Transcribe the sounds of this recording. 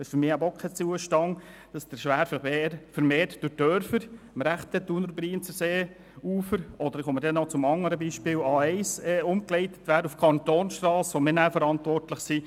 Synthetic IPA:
ɪʃfʏɾmɪːæbɔkχət͡suəʃtɑŋd̥ɑsd̥əɾʃʋæːɾfəeɾfəɾmeːɾtd̥ʊdœɾfəɾ | mɾæχt̪ətunəɾbɾiːnt͡səseː | uːfəɾʔɔd̪əɾχoməɾdɛnɔt͡sʊmɑŋːəɾəbiːʃpɪːlɑːɛɪsɛʊmklɛɪtə̥t̪ʋæːɾufkʰɑnt̪oːnʃtrɑːsʋomɪnæfəɾɑntvɔrtləχsi

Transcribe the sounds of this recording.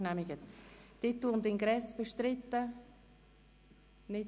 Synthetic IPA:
namɪɡət̪d̥ɪt̪ːund̪ɪŋɡɾɛsb̥eʃt̪ɾɪt̪ːə | nɪ

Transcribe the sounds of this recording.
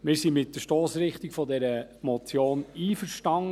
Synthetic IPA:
mɪːɾsimɪtːəʃtoːsɾɪχt̪ikfɔdɛɾəmɔt͡sjoːniːfəɾʃtɑŋ

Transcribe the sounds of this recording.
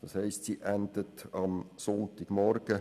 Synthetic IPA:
d̥ɑːshɛɪstsiʔænd̥̪ətɑmsɔnt̪ɪɡ̥mɔrɡ̥ə

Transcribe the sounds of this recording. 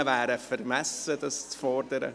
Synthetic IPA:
əvæːɾəfəɾmɛsədɑst͡sfɔɾdəɾə̰

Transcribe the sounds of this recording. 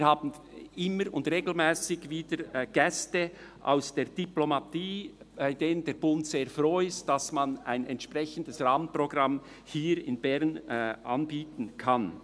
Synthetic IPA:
viːhaːbn̩ | ɪməɾʊ̰ndʁeːɡl̩mɛːsɪɡviːdəɡ̥ɛstə | ʔa̰ʊsd̥eːd̥iplomatiː | baɪdeːnəndeːɐbʊntseːɐfroːɪstd̥ɑsmana̰ɪnɛntʃpʁɛçən̩dəsraːmənproɡʁɑm | hiːɾɪ̰nbɛʁnʔanbiːtn̩kʰan

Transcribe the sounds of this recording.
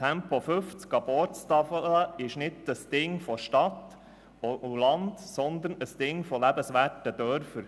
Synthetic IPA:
tʰɛmpofɵft͡skɑb̥ɔɾtst̪ɑfələɪʃnɪdəsd̥ɪŋfɔʃtɑt̪ː | oʔulɑnd̪sɔnd̪ənəsd̥̪ɪŋfɔlæbəsʋæːtəd̪œɾfəɾ

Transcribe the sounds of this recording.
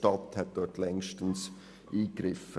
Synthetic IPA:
tɑt̪hɛt̚d̥ɔtlɛŋʃtəns | ʔiːkɾɪfə

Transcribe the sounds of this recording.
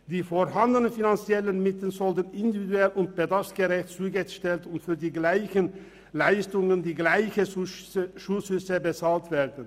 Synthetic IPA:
d̥iːfoʁɦandənəfinant͡sjɛlənmɪtl̩nzɔltənɪndividuɛlʊnt̚b̥ədaʁfsɡ̥əʁɛçtt͡suːɡəʃtɛltʊntfyːɐdiːɡlaɪçən | laɪstʊŋəndiːɡlaɪçə | ʃuːshʏsəbət͡saːltv̥eːʁdn̩

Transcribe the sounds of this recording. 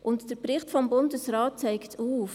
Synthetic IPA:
ʔʊntd̥əɾpɾɪχtfɔmbʊndəsɾɑːt̚t͡saɪktʰuːf

